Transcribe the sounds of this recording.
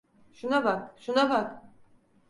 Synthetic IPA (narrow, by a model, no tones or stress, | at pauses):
ʃunabakʃunabak